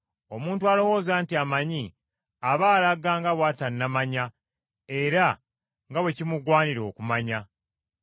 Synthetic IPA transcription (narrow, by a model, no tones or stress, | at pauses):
o̞muːntualo̞wo̞ːzaːntiamaɲi | aβaːlaɡaŋɡawaːtanːamaɲa | e̞ɾa | ŋɡawe̞cimuɡwaːniɾo̞ːkumaɲa